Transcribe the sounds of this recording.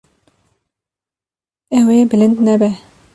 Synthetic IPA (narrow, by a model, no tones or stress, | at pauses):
ɛweːbɨlɪnd̪nɛbɛ